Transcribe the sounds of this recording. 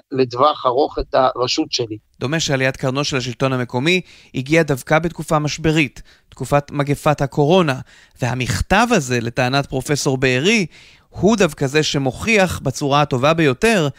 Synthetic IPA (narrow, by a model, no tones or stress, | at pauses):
ledvaχaʁo̞χet̪aʁaʃutʃelid̥̪o̞meʃealijatkaʁno̞ʃelhaʃ̬ilto̞nhame̞ko̞mi | iɡiadavkabetkufamaʃbe̞ʁitː | kufatmaɡefathakʰo̞ʁo̞na | vea̰miχtavaze̞le̞taːnat̚pʁo̞fe̞so̞ʁbeːʁi | hudavkaze̞ʃe̞mo̞χiaχbat͡suʁato̞vabejo̞te̞ʁ